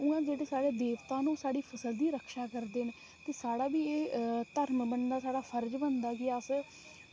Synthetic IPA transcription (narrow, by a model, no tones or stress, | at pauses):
ʊãːd͡ʒeːɽeːsaːɽeːd̪eːʋt̪ãːnũːsaːɽiːpʰəsəld̪iːɾəkʰʃaːkəɾd̪eːne | t̪eːsaːɽaːbiːeːt̪əɾmbənd̪aːsaːɽaːpʰəɾd͡ʒbənd̪aːɡɪaəs